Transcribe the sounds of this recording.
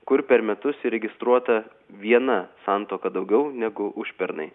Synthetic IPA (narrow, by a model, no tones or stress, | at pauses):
kʊɾpʲɛɾmʲɛt̪ʊsɪɾʲɛɡʲɪst̪ɾuɔt̪ɐ | ʋʲiɛnɐsɑˑnt̪oːkɐd̪ɐʊɡʲɛʊnʲɛɡʊʔʊʃʲpʲɛɾnɐ̰ɪ